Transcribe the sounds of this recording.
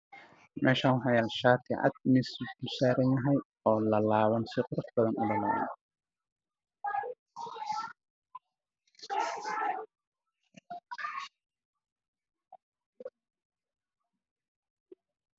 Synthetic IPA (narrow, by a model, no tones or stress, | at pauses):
mɛ̰ːʃaːnwħɑjaːlʃaːt̪ʰɪʔɐ̰d̪̚mɪsbʊlsaːɾɐnjɐɦɛj | ɔːlɐlaːβɐnsɪqɾʊfbɐðɐnʔʊlɐla̰